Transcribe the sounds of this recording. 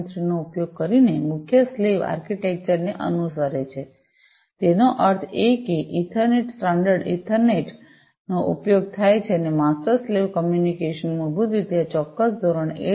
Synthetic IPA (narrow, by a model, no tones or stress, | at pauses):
t̪ɾinoupjoɡ̚kəɾinemʊkʰjəsleʋa̰ɾkiʈek̚t͡ʃəɾneʔə̰nusəɾet͡ʃʰe | t̪enoʔəɾt̪ʰekeʔɪʈʰəɾneʈsʈaɳɖəɾɖɪ̰̃ʈʰəɾneʈ | noʔṵpjoɡ̚t̪ʰajt͡ʃʰenemasʈəɾsleʋkəmjunikeʃənmuɾbud̪it̪jat͡ʃɔkːəsd̪ʱoɾəɳe